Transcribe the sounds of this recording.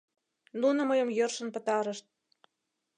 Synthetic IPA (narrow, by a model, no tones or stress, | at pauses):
nunə̆məjə̆mjørʃə̆npə̆t̪ɑɾə̆ʃt̪̚